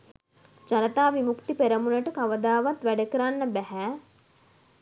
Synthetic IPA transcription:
d͡ʒanət̪aːʋimukt̪ipeɾəmunəʈəkaʋəd̪aːʋat̪ʋæɖəkəɾanːəbæɦæ

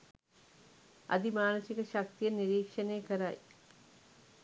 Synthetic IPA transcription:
a̰d̪imaːnəsikəʃak̚t̪ijəniɾiːkʂənejkəɾaj

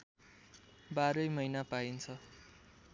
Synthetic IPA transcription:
baɾʌjmʌjnapaint͡sʰʌ

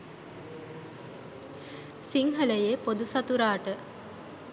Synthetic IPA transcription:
siŋɦələjepod̪usɐt̪uɾaːʈə

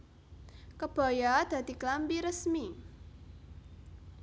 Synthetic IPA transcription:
kəb̥a̤jad̪̥ä̤d̪̥i̤klampiɾəsmi

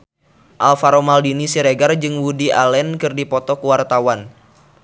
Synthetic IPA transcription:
ʔalfaɾomaldinisiɾeɡard͡ʒɨŋwudiʔa̰lɛnkɨrdipɔt̪ɔkuwart̪awan

